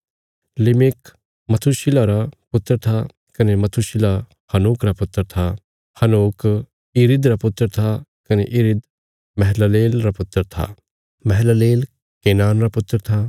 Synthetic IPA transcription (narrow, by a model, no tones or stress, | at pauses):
lɪmɪk | mɐt̪ʰuʃɪlaɾapʊt̪ːəɾt̪ʰa | kɐnemɐt̪ʰuʃɪla | hɐnuːkɾapʊt̪ːəɾt̪ʰa | hɐnoːk | ɪɾɪd̪ɾapʊt̪ːəɾt̪ʰakɐneʔɪɾɪd̪ | mɛɦɛlaleːlɾapʊt̪ːəɾt̪ʰa̰ | mɛɦlaleːl | keːnaːnɾapʊt̪ːəɾt̪ʰa